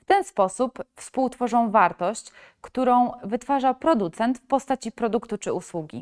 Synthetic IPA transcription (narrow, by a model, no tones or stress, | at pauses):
ft̪ɛnspɔsupfspuwt̪fɔʐɔ̃w̃vaɾt̪ɔɕt͡ɕ | kt̪uɾɔ̃w̃vɘt̪faʐapɾɔd̪ut̪sɛnt̪fpɔst̪at͡ɕipɾɔd̪ukt̪ut͡ʂɘuswuɡʲḭ